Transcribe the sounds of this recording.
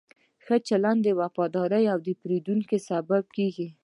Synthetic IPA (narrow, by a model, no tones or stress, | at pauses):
xət͡ʃaland̪əwafɑd̪ɑɾəjawd̪əpɾed̪uŋkesabab̚keɡi